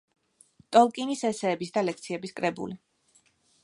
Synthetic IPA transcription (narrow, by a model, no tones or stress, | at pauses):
t̪ʼɔlˠkʼinisɛsɛːbisd̪alɛk̚t̪sʰiɛbiskʼɾɛbṵli